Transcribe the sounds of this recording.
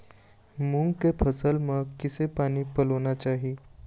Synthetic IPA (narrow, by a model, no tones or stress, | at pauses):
mũŋɡkepʰəsəlmẽkɪsepaːnipɐloːnat͡ʃaːɦieː